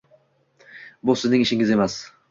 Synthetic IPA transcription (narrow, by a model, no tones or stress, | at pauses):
bʊsɪznɪŋɪʃɪŋɪze̞mas